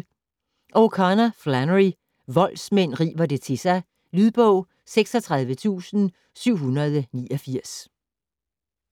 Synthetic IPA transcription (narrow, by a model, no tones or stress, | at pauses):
ʔɒkʰɑnæflænʁi | ʋɒ̽l̰smen̰ʁḭːʋɐd̥e̝t͡sʰe̝sɑ̈ɪ | lyð̞ˠb̥ɔʊ̰ | seɡ̥sɒt͡sʰʁɑ̈ð̞ˠʋət͡sʰṵːsn̩ | syʊ̰ɦunɐð̞ˠəniːɒfiɐ̰s